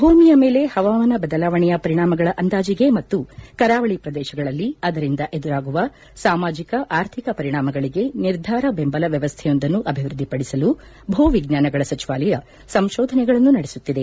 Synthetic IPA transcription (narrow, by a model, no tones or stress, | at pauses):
bʱuːmijɐme̞ːle̞hɐʋaːʋɐnɐbɐd̪ɐlaːʋɐɳɛjɐpɐɾiɳaːmɐɡɐɭɐʔɐnd̪aːd͡ʒiɡe̞mɐt̪ːukɐɾaːʋɐɭipɾɐd̪ɛːʃɐɡɐɭɐlːiɐd̪ɐɾind̪ɐʔe̞d̪uɾaːɡuʋɐ | saːmaːd͡ʒikɐʔaːɾt̪ʰikɐpɐɾiɳaːmɐɡɐɭiɡe̞niɾd̪ʱaːɾɐbe̞mbɐlɐʋjɐʋɐst̪ʰɛjo̞nd̪ɐnːuʔɐbʱiʋɾud̪ːipɐɽisɐlu | bʱuːʋiɡnaːnɐɡɐɭɐsɐt͡ʃiʋaːlɐjɐ | sɐmʃɔːd̪ʱɐnɛɡɐɭɐnːunɐɽesut̪ːid̪e̞